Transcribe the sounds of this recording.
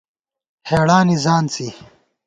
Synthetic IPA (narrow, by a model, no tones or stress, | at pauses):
heːɽaːnizaːnt͡si